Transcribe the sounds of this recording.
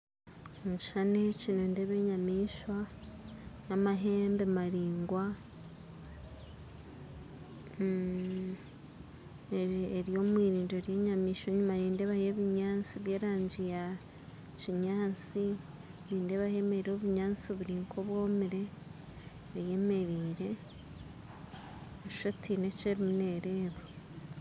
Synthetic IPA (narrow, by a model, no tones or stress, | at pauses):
muʃanecinundeβe̞ɲamiːʃwa | namaɦe̞ːmbemaɾiːŋɡwa | eeɾijo̞ːmwiːɾiːndoɾje̞ːɲamiːʃwoɲumaniːnde̞βahije̞βiɲaːnt͡siβjeːɾaːɲd͡ʒija | ciɲaːnt͡si | niːndeβahe̞meɾiɾoβuɲaːnt͡siβuɾiːŋkʰoβwo̞ːmiɾe̞ | βaje̞me̞ɾiːɾe̞ | βuʃotʰine̞ceɾimune̞ːɾe̞ːβo